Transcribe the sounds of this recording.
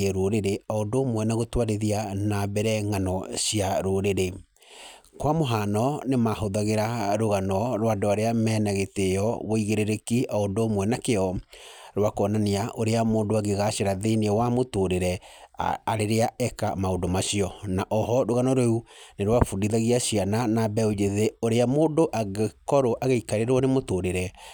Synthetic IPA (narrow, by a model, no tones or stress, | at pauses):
eɾoɾeɾeaondoːmwɛnaɣotwaɾeðianabɛɾɛŋanɔɕiaɾoɾeɾe | kwamoɦanɔnemahoðaɣeɾaɾoɣanɔɾwadoaɾeamɛːnaɣeteɔβɔiɣeɾeɾekiaondoːmwɛnakeɔɾwakɔnaneaʔoɾeamoːndoaɡeɣaʃeɾaðeniɛwamotoɾeɾɛ | aɾeɾeaɛkamaodomaʃiɔnaʔɔɦɔɾoɣanɔɾeuneɾwafundiðaɣiaɕiananabɛod͡ʒeðeoɾeamoːndoʔaɣekɔɾoʔaɣeikaɾeɾwɔnemotoɾeɾɛ